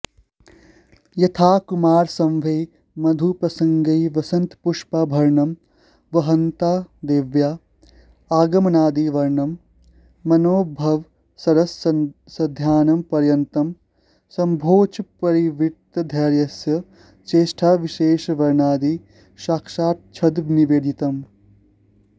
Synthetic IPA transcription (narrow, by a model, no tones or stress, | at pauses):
jɐt̪ʰaːkumaːɾsɐ̃mʋɐj | mɐd̪ʱupɾɐsɐ̃ŋɡɐjʋɐsɐnt̪puʂpaːbʱɐɾɳɐm | ʋɐɦɐnt̪aːd̪eːʋjaː | aːɡɐmɐnaːd̪iːʋɐɾɳɐmː | ɐnoːbʱɐʋ | sɐɾɐsɐ | sɐd̪ʱjaːnɐmpɐɾjɐnt̪ɐm | sɐmbʱoːt͡ʃpɐɾiʋit̪ɐd̪ʱɐːɾjɐsjɐ | t͡ʃeːʃʈʰaːʋiʃeːʃʋɐɾɳaːd̪i | ʃaːkʃaːɾ̚t͡ʃʰɐd̪ʋniʋeːd̪it̪ɐm